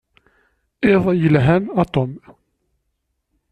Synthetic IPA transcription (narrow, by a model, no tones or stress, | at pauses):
ɪðˤjəlɦænɑt̪ˤɔm